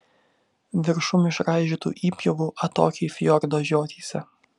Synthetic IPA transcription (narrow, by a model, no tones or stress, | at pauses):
ʋʲɪɾʃʊmɪʃɾɑɪʒʲɪt̪ṵːʔiːpʲjoɡuːʔɐt̪o̰ːkʲeɪfʲjɔɾd̪oːʒʲoːt̪ʲʰiːsʲɛ̰